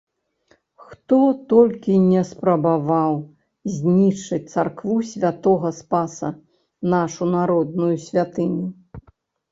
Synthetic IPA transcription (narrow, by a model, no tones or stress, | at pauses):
xt̪ɔt̪ɔlʲkʲinʲɛspɾɐbavaw | zʲnʲit͡ʂːɨt͡s̚ʲt̪sarkvusʲvʲat̪ɔɣɐspasɐ | naʂunaɾɔd̪nujusʲvʲat̪ɨnʲu